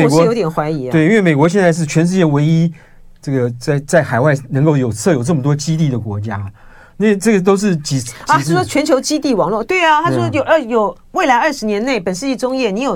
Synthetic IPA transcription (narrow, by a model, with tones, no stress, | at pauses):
me˨˩kwɔ˧˥jo˧˥ʊt̪jɛ˨˩nxwa˧˥ɪi˧˥˧we˥˧i˥nwe˥˩me˨˩ɪkwɔ˧˥ɕ̬jɛ˥˧nt͡sa˥˧ɪʂ̬ɻ̩˥˩t͡ɕʰɥɛ˧˥nʂɻ̩˥˧t͡ɕjɛ˥˩we˧˥ɪi˥ | ʈ͡ʂɤ˥˩ɡə˩t͡sa˥˩ɪt͡sa˥˩ɪxa˨˩ɪwa˥˩ɪnə˧˥ŋko˥˩ʊjo˨˩ʊt͡sʰɤ˥˩jo˨˩ʊʈ͡ʂɤ˥˩mə˩t̪̬wɔ˥t͡ɕi˥t̪̬i˥˩d̪ə˩kwɔ˧˥t͡ɕja˥ | na˥˩ʈ͡ʂɤ˥˩ɡə˩t̪̬o˥ʊʂ̬ɻ̩˥˩t͡ɕi˨˩˥ɐ˨˧˥ʂɔ˥t͡ɕʰɥɛ˧˥nt͡ɕʰjo˧˥ʊt͡ɕi˥t̪i˥˩wɑ˨˩˦ŋlwɔ˥˩t̪we˥˩ɪɐ˩t̪ʰa˥t͡ɕo˥˧˩ʂjo˨˩ʊ˥˧˩jo˨˩ʊ | we˥˩ɪla˧ɪə˞˥˧ʂɻ̩˧˥njɛ˧˥ne˥˩ɪpə˨˩nʂɻ̩˥˧˩t͡ɕjɛ˥˧ʈ͡ʂʊ˥ŋjɛ˥˩ni˧˥jo˨˩